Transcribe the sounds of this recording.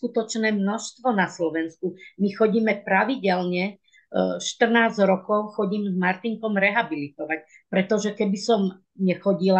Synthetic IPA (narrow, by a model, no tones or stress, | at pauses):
skut̪ɔt͡ʃnɛːmnɔʃst̪ʋɔnaslɔʋɛnskumixɔɟiːmɛpɾaʋiɟɛlɲɛ | ʃt̪r̩naːzɾɔkɔʊxɔɟiːmzmaɾt̪iŋkɔmɾɛɦabilit̪ɔʋac | pɾɛt̪ɔʒɛkɛbisɔm | ɲɛxɔɟila